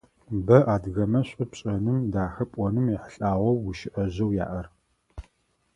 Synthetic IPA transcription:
bɐʔaːdɣɐmɐɕʼɪpɕʼɐnɨmdaːxɐpʷʼɔnɨmiħəɬʼaːʁʷɔwːuʃɪʔɐʑɐwja̰ːʔɐr

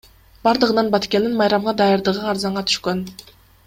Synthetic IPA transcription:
b̥ɑɾd̪ɯʁɯnɑnbɑt̪kʲend̪inmɑjɾɑmʁɑd̪ɑjɑɾd̪ɯʁɯnɑɾzɑɴʁɑt̪ʰy̥ʃkøn

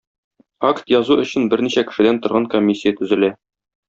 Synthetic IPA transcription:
akt̪jɒzuɵ̆ɕɘ̆nbɘɾniɕækɘ̥̆ʃɘ̆d̪ænt̪ŏɾʁɑŋkomʲːisʲːɪjat̪ɵ̆zɘ̆læ

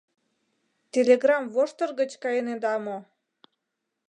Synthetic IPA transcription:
t̪ʲelʲeɣrɑmvoʃt̪ə̆rɣə̆t͡ɕkɑjəned̪ɑmo

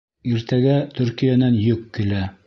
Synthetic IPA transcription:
iɾt̪æɡæt̪ɵ̆ɾkijanænjɵkːɘ̆læ

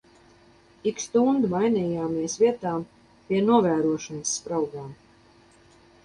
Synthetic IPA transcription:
ikst̪und̪majniːjaːmiɛsviɛt̪aːm | piɛnuɔvæːɾuɔʃanɨsːpɾawɡaːm

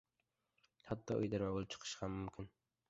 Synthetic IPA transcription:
hat̪ːɒʔʊ̰jd̪ɪɾmabolˠɪt͡ʃʰɨ̥qʰɨ̥ʃhamːʊmkʲʰɪn

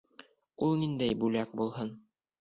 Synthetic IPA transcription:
ulˠnind̪æjbʉlæk̚bulˠhɤn

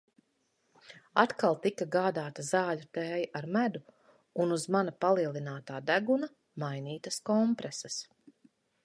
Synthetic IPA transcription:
at̪kalˠt̪ikaɡaːd̪aːt̪ɐzaːʎut̪ɛːjʔaɾmæd̪u | unuzmanɐpalˠiɛlˠinaːt̪aːd̪æɡunɐ | majniːt̪ɐskɔmpɾɛsɐs

